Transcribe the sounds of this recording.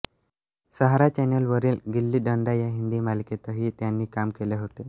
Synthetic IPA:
səɦaɾat͡ɕɛnəlʋəɾiːlɡilːiːɖəɳɖajaɦind̪iːmalket̪əɦiːt̪janːiːkamkeleɦot̪e

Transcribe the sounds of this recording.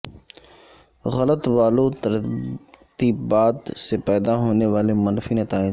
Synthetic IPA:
ɣələt̪ʋaːlot̪əɾ | t̪iːbbaːd̪sepɛːd̪aɦoːneʋaːlemɐnfinət̪aːẽ

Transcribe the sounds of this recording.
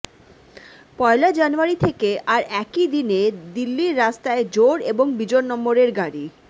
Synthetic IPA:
pɔelad͡ʑanuaɾit̪ʰekeʔaɾɛkid̪ined̪ilːiɾːast̪aed͡ʑoɾeboŋbid͡ʑonnɔmboɾeɾɡaɽi

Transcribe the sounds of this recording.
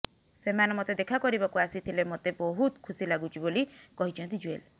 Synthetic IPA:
semanɔmot̪ed̪ekʰakɔɾibakuasit̪ʰilemot̪ebɔɦut̪kʰusilaɡũt͡ʃʰibolikɔɦit͡ʃʰɔ̃nt̪id͡ʒuel

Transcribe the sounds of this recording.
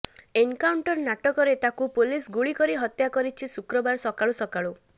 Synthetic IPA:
enkawɳʈɔɾnaʈɔkɔɾet̪akupulisɡuɭikɔɾiɦɔt̪jakɔɾit͡ʃʰisukɾɔbaɾsɔkaɭusɔkaɭu

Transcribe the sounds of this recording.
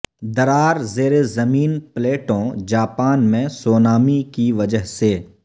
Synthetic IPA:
d̪ɐɾaːɾzeːɾezɐmiːnpleːʈõd͡ʒaːpaːnmẽsoːnaːmikiʋɐd͡ʒəɦse

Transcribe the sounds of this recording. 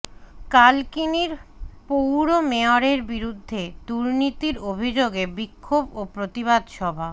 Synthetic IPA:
kalkiniɾpowɾomeoɾeɾbiɾud̪ʱːed̪uɾnit̪iɾobʱid͡ʑoɡebikʰːobopɾot̪iβad̪ʃɔbʱa

